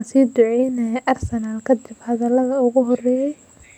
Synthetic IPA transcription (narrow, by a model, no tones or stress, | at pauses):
siːd̪ʊʕɛjnɛʔɐrsɛnaːlkʰɐd̪ɪbhɐðɐlɐðɐʊɣʊɦɔrɛːjɛj